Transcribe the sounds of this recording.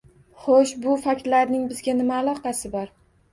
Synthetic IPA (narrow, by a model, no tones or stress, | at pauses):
χoʃbʊfakʲɾlaɾnɪŋbɪzɡʲanɪmaːlˠɒqɑsɪbɒɾ